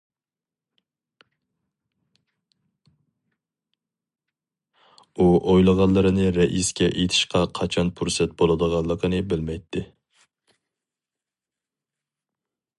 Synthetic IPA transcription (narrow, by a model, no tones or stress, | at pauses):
uʔojlˠəʁɑnˠːɨɾɨnɪɾɛʔiskʲɛʔet̪ʰɪ̥ʃqɑqʰɑt͡ʃʰɑnpʰuɾsɛt̪̚bolˠɨd̪əʁɑnlˠːəqʰənɨbɪlmɛjt̪ʰːɪ